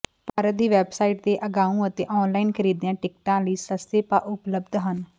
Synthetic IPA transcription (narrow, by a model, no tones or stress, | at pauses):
paːɾəd̪iːʋɛːbsaːiːʈd̪eːʔəɡaːũːət̪eːʔɔːnlaːiːnkʰəɾiːd̪jãːʈɪk̚ʈãːləiːsəst̪eːpaːʔʊpləbd̪ɦən